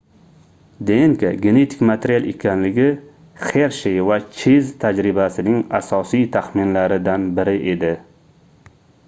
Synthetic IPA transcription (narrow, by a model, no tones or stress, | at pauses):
d̪eŋkʰaɡʲene̞t̪ʰɪ̥kmat̪ʰeɾialˠe̞kʲʰanlɪɡʲɪ | χeɾʃejvat͡ʃʰezt̪ʰad͡ʒɾɪbasɪnɪŋasɒsijt̪ʰaχmɪnlaɾɪd̪anbɪɾɪʔe̞d̪ɪ